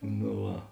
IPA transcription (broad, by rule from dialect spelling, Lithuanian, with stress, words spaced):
noː ˈʋɐ